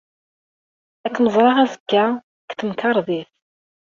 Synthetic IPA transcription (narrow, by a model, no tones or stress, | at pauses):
ækːnəzˤɾˤɑʁæzəkːæ | kθəmkɑɾˤðˤiθ